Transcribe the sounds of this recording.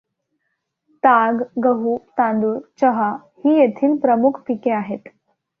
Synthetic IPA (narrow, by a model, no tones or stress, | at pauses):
t̪aɡɡəɦut̪ãnd̪uːɾt͡ɕəɦa | hiːjet̪ʰiːlpɾəmukʰpikeaɦet̪